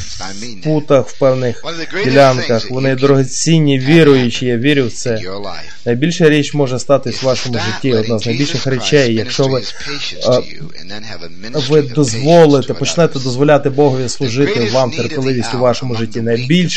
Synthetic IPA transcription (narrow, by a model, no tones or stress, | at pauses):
put̪ɐxw̥pɛwnɪx | dʲilʲankɐxʋɔnɪd̪ɾʊɦet͡sʲinʲːiʋʲiɾʊjʊt͡ʃɪjaʋʲiɾʲʊwt̪sɛ | nɐjbʲilʲʃɐɾʲit͡ʃmɔʒɛst̪ɑt̪ɪsʲʋɑʃɔmʊʒɪtʲːiɔd̪̚naznɐjbʲilʲʃɪxrɛt͡ʃɛjːɐkʃt͡ʃɔʋɪ | ʋɪd̪ɔzʋɔlˠɪt̪ɛpɔt͡ʃnɛt̪ɛd̪ɔzʋɔlʲat̪ɪbɔɦʊjʲislˠʊʒɪt̪ɪʋɑmt̪erpʲɪlˠɪʋʲisʲtʲʊʋɑʃɔmʊʒɪtʲːinɐjbʲilʲʃ